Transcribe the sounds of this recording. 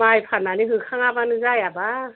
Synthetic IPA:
ajpʰananiɦɯkʰaŋabanɯzajaba

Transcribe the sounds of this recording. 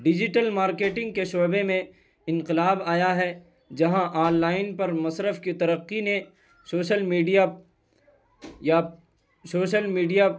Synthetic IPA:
ɖɪd͡ʒɪʈəlmaːɾkeːʈɪ̃ŋɡ̚keʃoːbemẽ | ɪ̃nqɪlaːbaːjaɦɛ | d͡ʒɐɦãʔaːnlaːɪnpɐɾmɐsɾəfkit̪ɐɾəqːine | soːʃəlmiːɖija | ja | soːʃəlmiːɖija

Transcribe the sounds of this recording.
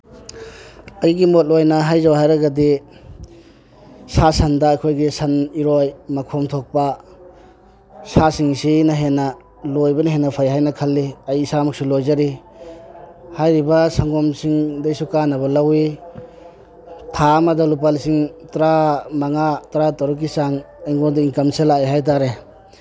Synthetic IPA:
ɐjɡimot̚lojnɐɦajzawɦajɾɐɡadi | sasɐndɐːkʰojɡisɐniɾojmɐkʰomtʰok̚pɐ | sasiŋsinɐɦenːɐ | lojbɐnaɦenːɐpʰajɦajnɐkʰɐlːiajisamak̚sulojzaɾi | hajɾibasaŋɡɔmsiŋdajsukanabɐlawi | tʰamadalup̬alsiŋtɾamaŋatɾatɔɾuk̬isaŋ | ajŋɡodaiŋkamselajɦajt̬aɾe

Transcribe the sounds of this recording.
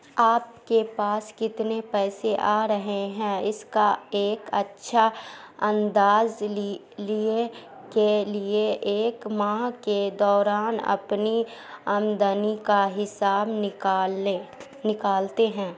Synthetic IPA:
aːp̚kepaːskɪt̪nepɛːseʔaːɾəɦeɦɛ̃ɪskaeːkɐtːʃʰaɐ̃nd̪aːz | lie | kelieʔeːkmãːked̪ɔːɾaːnɐ̰pniəmd̪ənikaɦɪsaːbɪe | nɪkaːlt̪eɦɛ̃ː

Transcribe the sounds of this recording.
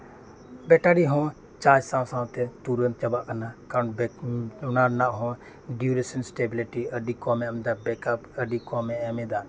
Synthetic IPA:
bɛʈaɽiɦɔ̃ | t͡ʃaːd͡ʒsãːwsãːw̃t̪ɛt̪uɾən̚t͡ʃɐbaʔkɐnakaːɾə̃bʊnaɾnaʔɦɔ̃ | ɖjuɾisənsʈeːbiliʈiəɖikɔmɛ̃ɐmd̪abɛkapəɖikɔmɛ̃ɛmẽd̪a

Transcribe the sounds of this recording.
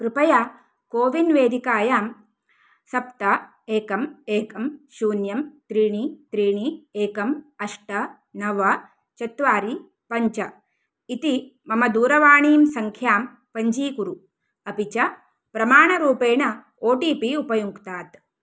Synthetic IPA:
pɾupɐja | koːʋinʋeːd̪ikaːjaːm | sɐpt̪ɐ | eːkɐmeːkɐmʃuːnjɐmt̪ɾiːɳit̪ɾiːɳieːkɐmɐʂʈɐ | nɐʋɐ | t͡ʃɐt̪ʋaːɾi | pɐɲt͡ʃɐ | it̪imɐmɐd̪uːɾɐʋaːɳiːmsɐŋkʰjaːm | pɐɲd͡ʒiːkuɾu | ɐpit͡ʃɐ | pɾɐmaːɳɐɾuːpeːɳɐ | oːʈiːpiupɐjuŋkt̪aːt̪

